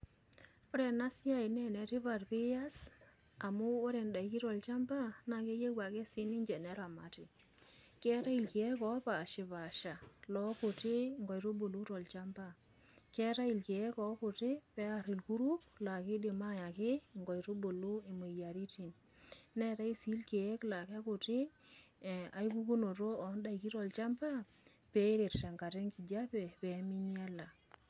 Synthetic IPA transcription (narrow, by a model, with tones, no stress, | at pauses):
o˦ɾɛ˨na˦sɪ˦a˦˨i˨nɛ˦nɛ˨tɪ˦βa˨rpɪ˦ja˦s | a˨mʊː˦ɾɛ˨nda˨i˨ki˦ɾɔ˨lt͡ʃa˦mba˦na˨ke˦je˦kwa˨ke˦sɪ˦ni˦ɲd͡ʒɛ˨nɛ˦ɾa˨ma˨tɪ˨ | kɛ˦ta˦i˨lki˨ɛ˦kɔ˦pa˨ʃɪ˨pa˨ʃa˨lɔ˦kʊ˨tɪ˦ŋɡɔ˨jɾo˦bo˨lu˦tɔ˨lt͡ʃa˦mba˦ | kɛ˦ɾa˦i˨lki˨ɛ˦kɔ˨˦kʊ˨tɪ˦pɛ˦a˦ɾi˨lku˦ɾu˦kla˨ki˦di˨ma˦ja˨kɪ˦˨ŋɡɔ˨jto˦bo˨lu˦i˨mo˨ja˨ɾi˦ti˨n | ne˦ta˦i˦si˦lke˨je˦kla˨ka˦ku˨ti˦˨ | a˨jku˦ku˦no˨to˦ɔ˨˦nda˦i˨ki˦ɾɔ˨lt͡ʃa˦mpa˦ | pe˦ɾe˨tta˨ŋka˨te˦ŋki˨d͡ʒa˦pɛ˨pe˨˦mi˦ɲ˦e˦la˨